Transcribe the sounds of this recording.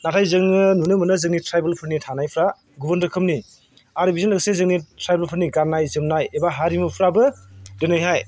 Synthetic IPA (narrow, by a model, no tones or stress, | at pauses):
natʰajzɯŋnɯnunɯmɯnɯzɯŋnitʰɾajbelpʰɯɾnitʰanajpʰɾa | ɡubɐndɾɯkʰɯmni | aɾbizɯnɯɡsezɯŋnitʰɾajbelpʰɯɾniɡanːajzɯmnajebaɦaɾimɯpʰɾabɯdenajɦaj